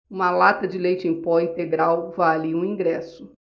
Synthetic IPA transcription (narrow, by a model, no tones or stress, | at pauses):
ũmɐlat̪ɐd͡ʒɪlejt͡ʃɪẽj̃pɔĩt̪eɡɾawvaliũĩɡɾɛsʊ